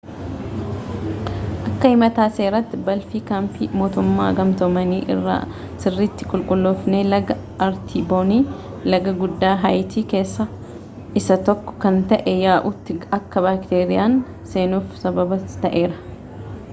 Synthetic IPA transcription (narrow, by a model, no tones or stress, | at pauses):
ʔɐkːɐhɪmɐt̪aːseːɾɐt̪ːɪbɐlfiːkaːmpimo̞ːt̪ʊmːaːɡɐmt̪ɔmɐniːʔɪ̰rːa̰ː | sɪrːiːt̪ːɪ̥kʼʊlkʼʊlːofne̞ːlɐɡɐ | ɐɾt̪ʰiːboːniː | lɐɡɐɡʊd̪ːaːɦɐjt̪ʰiːke̞ːsːɐ | ʔɪsɐt̪ɔkːɔ̥kɐnt̪ɐʔɛjaːʔʊt̪ːɪɐkːɐbaːkt̪eːɾɪjaːn | se̞ːnuːfsɐbɐbɐt̪ɐʔe̞ːɾɐ̥